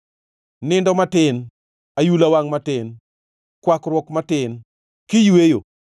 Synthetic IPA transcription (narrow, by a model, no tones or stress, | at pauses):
nɪndɔmatɪn | ajulawaŋmatɪn | kwakɾwɔkmatɪn | kɪjwejo̰